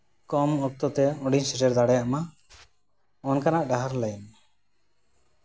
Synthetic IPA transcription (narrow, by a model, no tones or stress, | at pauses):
kɔmɔk̚t̪ɔt̪ɛɔɖiɲseʈɛɾd̪aɽɛjaʔma | ɔnkanaʔɖaɦaɾlajn